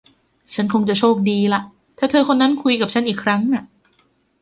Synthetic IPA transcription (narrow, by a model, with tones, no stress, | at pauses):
t͡ɕʰa˦˥nkʰo˧ŋt͡ɕa˨˩t͡ɕʰoː˥˩k̚diː˧la˨˩ʔ | t̪ʰaː˨˩t̪ʰɤː˧kʰo˧nːa˦˥nkʰu˧jka˨˩p̚t͡ɕʰa˦˥nʔiː˨˩kʰɾa˦˥ŋʔa˨˩ʔ